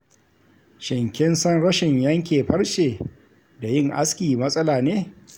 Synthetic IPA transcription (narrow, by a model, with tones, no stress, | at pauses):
ʃɪ˨ŋkʲɪ˦nsɐ˦nɽɐ˦ʃɪ˨ɲjɐ˦ŋkʲeː˨ɸɐ˦ɽʃeː˨ | da˨jɪ˦ŋʔa˦skʲiː˨mɐ˦sʼɐ˦laː˨neː˦